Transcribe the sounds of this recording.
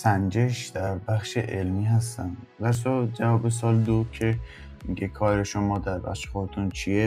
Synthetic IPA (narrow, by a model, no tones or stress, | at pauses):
sænd͡ʒe̞ʃd̪æɾbæxʃeʔelmiːɦæst̪ænvæɾs̬ɒd͡ʒævɒːbes̬ɒːld̪okʰe̞ | miɡe̞kʰɒːɾeʃomɒːd̪æɾbæ̰xʃe̥xot̪ʰunt͡ʃʰie